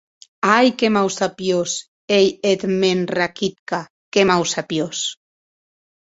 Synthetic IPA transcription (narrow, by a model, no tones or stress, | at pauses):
ajkemawsapjos | ejet̪menrakit̪ka | kemawsapjos